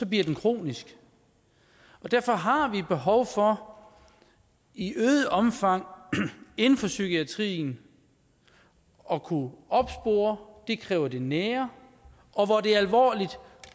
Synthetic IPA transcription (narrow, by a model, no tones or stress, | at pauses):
sɒ̽b̥liɐ̰d̥enkʰʁo̝̰ːnisɡ̥ | ɒ̽d̥æɐ̰fɒ̽ɦɑ̈ʋib̥e̝ɦɒ̽ʊfɒ̽ | iʔøːð̩ˠʔɒ̽mfɑ̈ŋ̰ | e̝nn̩fɒ̽sykiæt͡sʰʁḭːn̩ | ɒ̽kʰuɒ̽b̥sb̥o̝̰ːɐd̥e̝kʰʁɛːʊɐd̥e̝neːɐ | ʔɒ̽ʋɒd̥e̝ɐælʋɒ̰ːlid̥